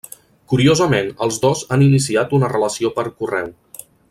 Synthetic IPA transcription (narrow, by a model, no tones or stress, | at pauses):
kuɾiozəmenəlˠzðɔzaninisiat̪unərələsiopəɾkurɛw